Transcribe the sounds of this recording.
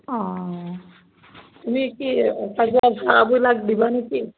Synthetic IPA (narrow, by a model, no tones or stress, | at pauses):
ɔ̃ | t̪umikitaɡabʱaabujlaɡd̪ibanaki